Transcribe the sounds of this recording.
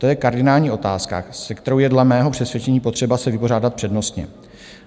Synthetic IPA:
t̪o̞jɛkaɾdɪnaːlɲiːʔo̞t̪aːska̰sɛkt̪ɛɾowjɛdlɛmɛːɦo̞pr̥ɛsvjɛt͡ʃɛɲiːpo̞t̪r̝̥ɛbasɛvɪpo̞raːdat̪pr̥ɛdno̞st̪ɲɛ̰

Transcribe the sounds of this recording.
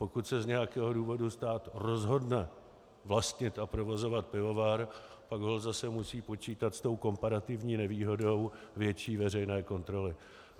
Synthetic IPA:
po̞kut̪sɛzɲɛjakɛːɦo̞duːvo̞dust̪aːt̪ro̞zɦo̞dnɛ | vlast̪ɲɪt̪ʔapɾovo̞zo̞vat̪̚pɪvo̞vaːɾ | paɡɦolzasɛmusiːpo̞t͡ʃiːt̪at̪st̪o̞wko̞mpaɾat̪ɪvɲiːnɛviːɦo̞do̞wvjɛt͡ʃiːvɛrɛjnɛːko̞nt̪ɾo̞lɪ

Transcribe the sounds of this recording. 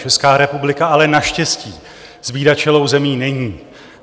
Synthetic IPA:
t͡ʃɛskaːɾɛpublɪkaalɛnaʃcɛsciː | z̥biːdat͡ʃɛlo̞wzɛmiːnɛɲiː

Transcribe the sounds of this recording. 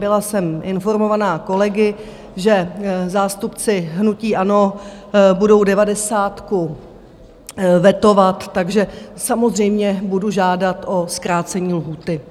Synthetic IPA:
bɪlasɛmʔɪnfo̞ɾmo̞vanaːko̞lɛɡɪ | ʒɛzaːst̪upt͡sɪɦnuciːʔano̞ | budo̞wdɛvadɛsaːt̪ku | vɛt̪o̞vat̪ːaɡʒɛsamo̞zr̝ɛjmɲɛbuduʒaːdat̪ʔo̞skɾaːt͡sɛɲiːlɦuːt̪ɪ

